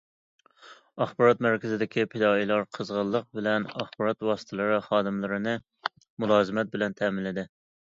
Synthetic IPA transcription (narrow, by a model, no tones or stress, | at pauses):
ɑχbɑɾɑt̪mæɾkʲɪzɪd̪ɪkʲipʰɪd̪ɑːilˠɑɾqʰəzʁəlˠːəq̚bɪlɛnɑχbɑɾɑt̪wɑsɨ̥t̪ʰɨlˠɨɾɨχɑːd̪ɨmlˠɨɾɨnɨ | mulˠɑːzɨmɛt̪̚bɪlɛnt̪ʰɛmɪlːɪd̪ɪ